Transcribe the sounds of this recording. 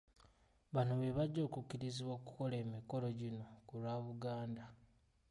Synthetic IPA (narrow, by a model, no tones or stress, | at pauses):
βanoβe̞βaɟːo̞ːkucːiɾiziβwoku̥ko̞le̞ːmiko̞lo̞ɟino̞kulwaːβuɡaːnda